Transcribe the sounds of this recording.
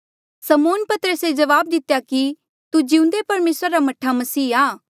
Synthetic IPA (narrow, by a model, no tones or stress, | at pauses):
sɐmoːnpɐt̪əɾəsed͡ʒɐʋaːb̚d̪ɪt̪jaki | t̪ud͡ʒiũnd̪epɐɾmeːsɾaɾamɐʈʰːamɐsiːaː